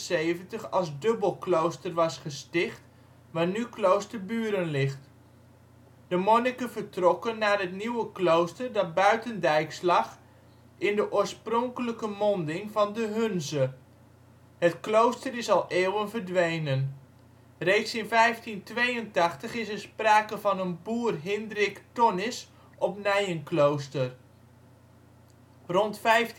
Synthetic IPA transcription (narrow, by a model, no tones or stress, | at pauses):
sejvəntəχɑlˠzdɵbəlˠklowstərʋɑsχəstɪχt | ʋaːɹnyklowstəɹbyːɾənlɪχt | d̥əmɔnikəvəɹtrɔkənːaːɹɦətniwəklowstəɹdɑt̚bœɥtəndɛjkslɑχ | ɪndəʔʊːɹsprɔŋkələkəmɔndɪŋvɑndəɦɵnzə | ɦətklowstərɪsɑlˠʔeːwənvəɹdʋejnən | rejtsɪnvɛjftintʋejəntɑχtəχɪsəspraːkəvɑnənbuːrɦɪndrɪktɔnɪs | ʔɔpnɛjənklowstər | rɔntfɛjf